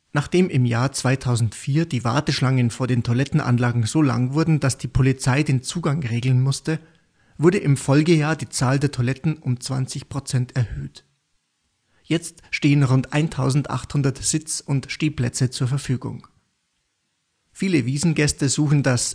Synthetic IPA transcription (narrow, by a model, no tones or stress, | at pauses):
naːχd̥eːmʔɪmjaːɐt͡sv̥aɪtʰaʊzn̩tfiːɐdiːva̰ɐtəʃlaŋənfoːɐɾeːntʰolɛtn̩ʔa̰nlaːɡŋ̩zoːla̰ŋvʊɐdn̩d̥asd̥iːpʰolit͡saɪdeːnt͡suːɡaŋʁeːɡl̩nmʊstə | vʊɐɾəʔɪmfɔlɡəjaːɐdiːt͡saːldeːɐtʰolɛtn̩ʔʊmt͡sv̥a̰nt͡sɪçpʁ̥ot͡sɛntɛɐhøːt | jɛt͡stʃteːənʁʊntʔa̰ɪntʰaʊzn̩tʔa̰χthʊndɐtz̥ɪt͡sʊntʃteːpl̥ɛt͡sət͡suːɐfɛɐfyːɡʊ̰ŋ | fiːləviːzn̩ɡɛstəzuːxn̩das